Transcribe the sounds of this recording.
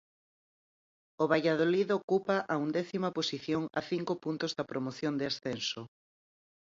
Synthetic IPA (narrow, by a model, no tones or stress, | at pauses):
oβajaðoliðokupɐʔɐund̪ɛθimɐposiθjoŋɐ̰θiŋkopunt̪ozðɐpɾʔomoθjond̪easθɛnso